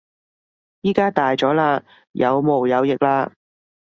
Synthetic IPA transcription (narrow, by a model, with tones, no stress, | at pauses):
jiː˥kaː˥t̪aː˨jt͡sɔː˨˥laː˧ | jɐ˨˧wmo˨˩wjɐ˨˧wjɪ˨k̚laː˧